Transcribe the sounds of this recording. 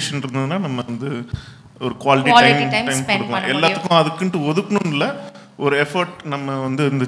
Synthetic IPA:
ʂɐnɪɾɯnd̪ɐðɯnːaːnɐmːɐʋɐnd̪ɯ | ɔɾɯkʊʋaːlɪʈiɐɪmʈɐɪmkɔɽɯkːã̰ʔɛllːaːtt̪ːɯkːʊ̃ɐðɯkːɪɳʈːɯɔðɯkːɐɳʊ̃nɪlːɐ | ɔɾɯɛfɐɾʈnɐmːɐʋɐnd̪ɯɪnd̪ɐ

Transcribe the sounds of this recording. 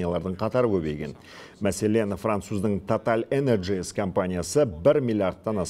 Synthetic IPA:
ijalˠɑɾd̪əɴqʰɑt̪ɑɾəkʲʰɵbe̞̰jɡʲe̞̰n | mæse̞le̞nfrant̪suzd̪əɴt̪ʰot̪alʲenerʒieskʰo̞mpanʲijasəbɪɾmʲilʲˠijaɾd̪̚ːɑnɑs

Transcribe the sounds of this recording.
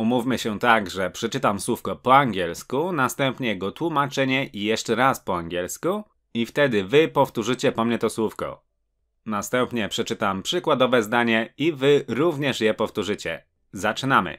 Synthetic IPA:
umufʲmɘɕɛt̪aɡʐɛpʂɛt͡ʂɘt̪amswufkɛpɔaŋɡʲjɛlskunast̪ɛmpɲɛjɛɡɔt̪wumat͡ʂɛɲɛʔijɛʂt͡ʂɛɾaspɔaŋɡʲjɛlsku | ift̪ɛd̪ɘvɘpɔft̪uʐɘt͡ɕɛpɔmɲɛt̪ɔswufkɛ̰ | nast̪ɛmpɲɛpʂɛt͡ʂɘt̪ampʂɘkwad̪ɔvɛzd̪aɲɛivɘɾuvɲɛʂjɛpɔft̪uʐɘt͡ɕɛ̰ | zat͡ʂɘnamɘ̰

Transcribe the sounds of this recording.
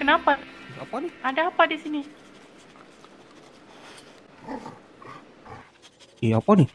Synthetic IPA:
kənapasa̰paniadaːpadisini | iapani

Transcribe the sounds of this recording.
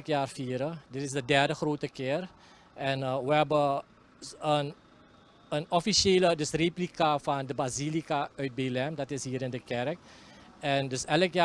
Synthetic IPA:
kjaːrfiːəɾədɪtɪsdədɛrdəχroːtəkɪːər | ʔɛnəʋəɦɛbə | ən | ənɔfiʃeːlədɵsreplikafɑndəbazilikaœɥt̚belɛmdɑtɪsɦiːɾɪndəkɛrək̚ɛndɵsɛləkja

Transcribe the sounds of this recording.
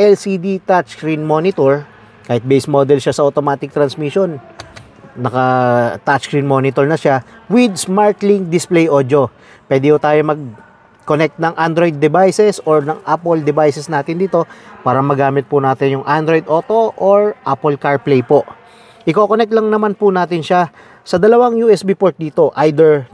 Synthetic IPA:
ʔɛlsid̪it̪at̪t͡ʃkɾinmonɪt̪oɹ | kaːhɪt̪̚bejsmod̪ɛlʃasɐʔot̪omaːt̪ɪk̚t̪ɾɐnsmiʃonː | ɐkɐt̪att͡ʃkɹinmo̞nɪt̪oɹnɐʃawɪd̪smaɹt̪liŋk̚d̪ɪsplɛjʔoːd̪jo̞ | pwɛːd̪ɪhut̪aːjomɐɡ̚ | konɛk̚t̪̚nɐŋʔand̪ɾojd̪ːɛbajsɛsoɹnɐŋʔaːpold̪ɛbajsɛsnaːt̪ɪnd̪iːt̪o̞paːɾɐmɐɡaːmɪt̪̚pʊnaːt̪ɪnjʊŋʔand̪ɾojd̪ʔo̞ːt̪o̞ʔoɹʔapɔlkaɹplɛjpoʔ | ʔɪkoːkonɛk̚t̪lɐŋnɐmanpʊnaːt̪ɪnʃa | sɐd̪ɐlɐwaŋjuʔɛsbipoɹt̪̚d̪iːt̪o̞ʔajd̪ɛɹ

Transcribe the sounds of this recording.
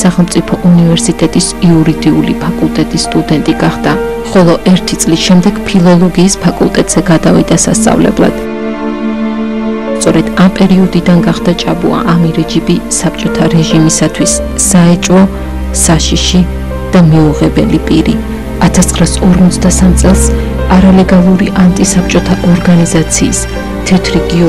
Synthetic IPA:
saχɛlˠmt̪sʼipʰɔʔunivɛɾsit̪ʼɛt̪ʼisiuɾid̪iulipʰakʼulˠt̪ʼɛt̪ʼisːt̪ʼud̪ɛnt̪ʼiɡaχd̪a | χɔlˠɔʔɛɾt̪ʰit̪sʼlisʃɛmd̪ɛɡ̥pʰilˠɔlˠɔɡiːspʰakʼulˠt̪ʼɛt̪ʼz̥ɛɡad̪a̰vḭd̪asa̰st̪sʼa̰vlɛ̰blˠa̰d̪̥ | st̪sʼɔɾɛd̪̥ampʼɛɾiɔd̪id̪anɡaχd̪at͡ʃʼabṵa̰ʔamiɾɛd͡ʒibisapʰt͡ʃʼɔt̪ʰaɾɛʒimisat̪ʰwisː | aɛt͡ʃʼwɔ | saʃiʃi | d̪̥amiuʁɛbɛ̰lipʼiɾi | at̪ʰast̪ʰχɾasɔɾmɔt̪sʰd̪asamt̪sʼɛlˠs | aɾalɛɡalˠuɾiʔant̪ʼisap̚ʰt͡ʃʼɔt̪ʰaʔɔɾɡanizat̪sʰiːs | t̪ʰɛt̪ʰɾiɡi

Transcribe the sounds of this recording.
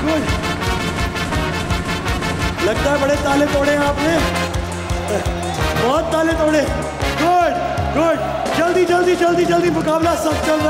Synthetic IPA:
ɡʊɖ | lɐɡt̪aːɦɛbɐɽet̪aːlet̪ʰoːɽeaːpnẽː | bɔːt̪̚ːaːlet̪ʰoːɽe | ɡʊɖ | ɡʊɖ | t͡ʃɐld̪iːt͡ʃɐld̪iːt͡ʃɐld̪iːt͡ʃɐld̪iːmʊkaːblasɐb̚t͡ʃɐld̪a

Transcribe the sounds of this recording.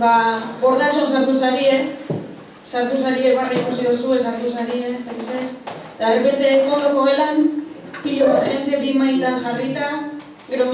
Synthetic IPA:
babo̞ɾðat͡ʃosaɾt̪usaɾie | saɾt̪us̬aɾieβaraikusiðosue̞saɾit̪usaɾieest̪akit̪sed̪ere̞pe̞nt̪e̞ːŋkond̪okoɣelam | piʎoʝent̪eβimajt̪anʝarit̪a | ɡe̞ɾo

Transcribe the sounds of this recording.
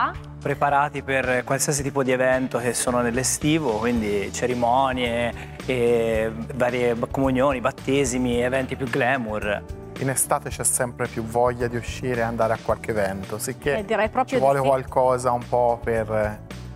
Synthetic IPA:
pɾepaɾaːt̪iperkwalsias̬it̪iːpod̪ievɛnt̪ok̟esːoːnonelːest̪iːvokwind̪it͡ʃeɾimɔnjeː | vaːɾjebkːomunjoːnibat̪ːeːzimievɛnt̪ipjuɡlɛːmur | inest̪aːt̪et͡ʃɛsːɛmpɾepjuvɔʎːad̪iuʃːiːɾeand̪aːɾeakːwalk̟eːvɛnt̪osikːed̪iɾɛjpɾɔːpt͡ʃɾivwɔːlekwalkɔːzaumpɔper

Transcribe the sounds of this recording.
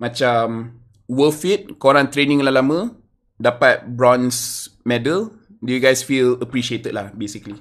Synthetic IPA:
mat͡ʃam | wəfit̪̚koɾaŋt̪ɾenĩŋlalamə̃ | dapat̪̚bɾɔ̃nsmɛdəl | dujuɡajsfiləpɾiʃiet̪əd̚lahbesikli

